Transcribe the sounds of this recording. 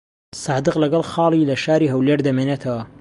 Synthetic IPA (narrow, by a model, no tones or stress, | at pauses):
sɑːd̪ɨqlɐɡɐlˠxɑːlilɐʃaːɾiɦɐwleɾd̪ɐmeːneːt̪ʰɐwɐ